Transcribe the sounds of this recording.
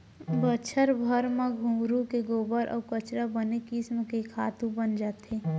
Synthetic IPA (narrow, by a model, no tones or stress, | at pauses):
bət͡ʃʰəɾbʱəɾmaɡʱũɡɾũkeɡoːbəɾʔɔ̰ːkət͡ʃɾabənekismkekʰa̰ːt̪ũbənd͡ʒaːt̪eː